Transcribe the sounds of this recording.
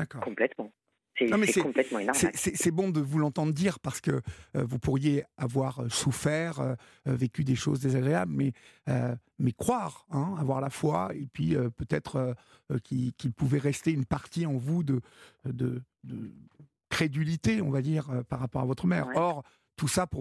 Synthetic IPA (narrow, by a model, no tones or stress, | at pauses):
d̪akɔːʁkɔ̃plɛt̪mɑ̃ | sɛmɛsɛkɔ̃plɛt̪mɑ̃enɔsɛsɛsɛbɔ̃d̪əvulɑ̃t̪ɑ̃d̪ʁəd̪iːʁpaʁsə̥kə̰øvupuʁjeavwaʁøsufɛʁø | vekʲyd̪eʃo̰zd̪ezaɡʁeabləmɛø | mɛkχwaʁɛ̃avwaʁlafwaepɥiøpøt̪ɛt̪χø | kʲikʲilpuvɛʁɛst̪eynpaʁt̪iɑ̃vud̪əd̪əd̪ə | kχed̪ylit̪eɔ̃vad̪iːʁøpaʁːapɔʁavɔt̪χəmɛ̰ːʁɔʁ | t̪usapu